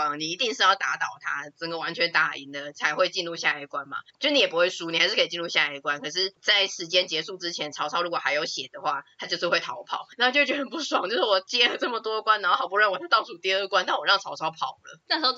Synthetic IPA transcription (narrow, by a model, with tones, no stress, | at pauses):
ni˨˩i˧˥t̪i˥˧ŋʂɻ̩˥˧jɑ˥˩ʊt̪a˧˥t̪ɑ˨˩ʊt̪ʰa˥t͡sə˧˥ŋɡə˨wa˧˦˥nt͡ɕʰɥɛ˧˥nt̪a˨˩ḭ˧˥ŋd̪ə˨t͡sʰa˧˥ɪxwe˥˧ɪt͡ɕi˥˧nɻu˥˧ɕja˥˧a˧˩kwa˦nma̰˨t͡ɕjo˥˧ʊɻ̩˥˩i˧˩ɛ˨p̬u˦xwe˥˩ɪʂu˥ni˨˩xa˧ɪʂɻ̩ʰ˥˩˧t͡ɕi˥˧ɻu˥˩ɕja˥˧a˧˩ɪkwa˦nkʰɤ˨˩ʂ̬ɻ̩˥˧t͡sa˥˩ɪʂɻ̩˧˥t͡ɕjɛ˥nt͡ɕjɛ˧˥ʂu˥˩ʈ͡ʂɻ̩˥t͡ɕʰjɛ˧˥nʈ͡ʂʰɑ˨˧˥ʊʂɑ˥ʊɻu˧˥kwɔ˨˩xa˧˥ɪjo˧˥ʊɕjɛ˨˩d̪ə˦xwa˥˩t̪ʰa˥t͡ɕo˥˧ʊʂ̬̩˥˧xwe˥˩ɪt̪ʰɑ˨˥ʊ˧pʰɑ̰˨˩ʊna˥˧t͡ɕo˥˧ʊt͡ɕɛ˧˥˩ə˩˦npu˥˩swŋt͡ɕjo˥˧ʂwɔ˨˩t͡ɕjɛ˥lə˩t͡sɤ˥˩mə˩t̪wɔ˥˧kwa˥n˨˩˥ɑ˨˩p̬u˧˥ɻə˥˩nwe˧˥ɪt̪ʰa˥t̪ɑ˥˧ʊsu˨˩t̪jɛ˥ə˥˩kwa˥˦nt̪a˥˩nwɔ˨˩ɻɑ˥˩ŋt͡sʰɑ˧˥ʊʂɑ˥ʊpʰɑ˨˩ʊlə̰˦t̪a˥˩˧ʊ